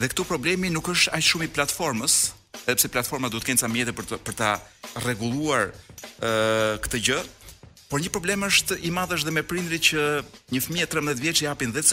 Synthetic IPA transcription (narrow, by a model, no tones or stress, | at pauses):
ðɛkt̪upɾɔblɛminukəʃt̪aʃumiplat̪fɔɾməs | ɛðɛpsɛplat̪fɔɾmatd̪ɔt̪əkɛnsamjɛt̪ɛpəɾt̪a | rɛɡulˠuaɾ | kt̪əɟəpɔɾɲəpɾɔblɛməʃt̪imaðəʃ̬ðɛmɛpɾind̪ɾicəɲəfmiɛt̪ɾɛmb̪ðjiɛt̪vjɛt͡ʃiapinðɛt̪s